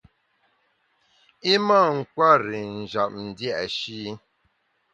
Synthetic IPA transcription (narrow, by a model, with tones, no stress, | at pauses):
i˦ma˦˨ŋ̩˨kwa˦˨ɾi˨n̩˨d͡ʒa˨p̚n̩˨dja˦ʔʃi˦